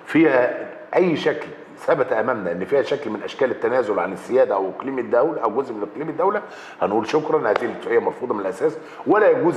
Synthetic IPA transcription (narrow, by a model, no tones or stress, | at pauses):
fiːhæ | ʔæjːʃækl | sæbæt̪ʔæmæmnæʔenːfiːhæʃæklmɪnʔæʃkæːlɪt̪ːænæːzʊlʕa̰nɪzːɪjæːd̪æʔæwʔeqliːmɪd̪ːæwlæʔæwɡozʔmenʔeqliːmed̪ːæwlæ | hænʔuːlʃokɾˤɑnhæːd̪iːlt̪ːˤhejːæmɑɾˤfuːd̪ˤmnelʔæsæːs | wælæjæɡuːz